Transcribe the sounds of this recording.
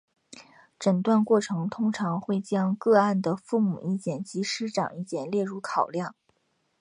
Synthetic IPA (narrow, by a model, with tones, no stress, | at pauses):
ʈ͡ʂə˨˩ŋt̪wa˥˧nkwɔ˥˩ʈ͡ʂʰɤ˧˥ŋt̪ʰʊ˥ŋʈ͡ʂʰɑ˧˥ŋxwe˥˩ɪt͡ɕjɑ˥ŋkɤ˥˧a˥˩nd̪ə˩fu˥˩mṵ˨˩ʔi˥˩t͡ɕjɛ˥˩nt͡ɕi˧˥ʂɻ̩˥ʈ͡ʂɑ̰˨˩˦ŋi˥˩t͡ɕjɛ˥˩nljɛ˥˧ɻu˥˩kʰɑ˨˩ʊljɑ˥˩ŋ